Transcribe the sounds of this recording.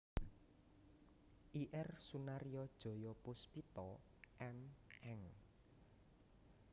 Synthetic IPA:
ʔiʔɛrsunaɾijɔd̥ʒ̥ɔ̤jɔpʊspit̪ɔ | ʔɛmɛŋ

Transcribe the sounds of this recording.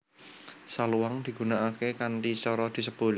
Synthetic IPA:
saluwaŋd̪̥i̤ɡ̥ṳnaʔakekanʈit͡ʃɔɾɔd̪̥i̤səb̥o̤l

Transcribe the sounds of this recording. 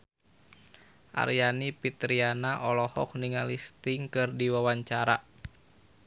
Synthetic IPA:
ʔa̰ɾjanipit̪ɾianaʔɔlɔhɔk̚niŋalist̪ɪŋkɨrdiwawaɲt͡ʃaɾa̰

